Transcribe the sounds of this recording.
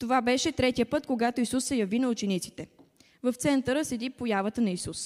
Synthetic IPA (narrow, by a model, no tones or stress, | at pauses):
t̪ovabɛʃɛt̪ɾɛt̪ijəpɤt̪koɡat̪oisusːɛjɐvinɐʊt͡ʃɛnit̪si̥t̪ɛ | vɐft̪sɛnt̪əɾəsɛd̪ipojavət̪ənɐisus